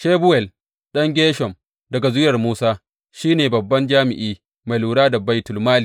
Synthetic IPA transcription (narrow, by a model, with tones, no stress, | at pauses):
ʃeː˦bʊ˦wɛ˨l | ɗɐ˦ŋɡʲeː˦ʃɔ˨m | dɐ˨ɡa˨zʊ˦jɐ˨rmuː˦saː˦ | ʃiː˦neː˨bɐ˨bːɐ˦nd͡ʒaː˦mɪ˨ʔiː˦ | ma˨jluː˨ɽaː˦da˨ba˦jtʊ˨lmaː˦liː˨